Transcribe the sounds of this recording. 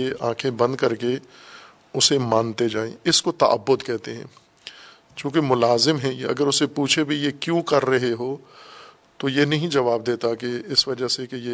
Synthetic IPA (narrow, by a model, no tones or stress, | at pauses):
eʔãːkʰẽbɐ̃nd̪kɐɾke | ʊsemãːnt̪ed͡ʒaːḛ̃ɪskot̪ɐ̰ʔə̰bːʊd̪kɛɦt̪eɦɛ̰̃ː | t͡ʃũːkemʊlaːzɪmɦɛ̃jeɐ̰ɡəɾʊsepuːt͡ʃʰebʱijekjũːkɐɾːɐɦeɦoː | t̪ojenɐɦĩd͡ʒɐʋaːb̚d̪eːt̪akeɪsʋɐd͡ʒəɦsekeje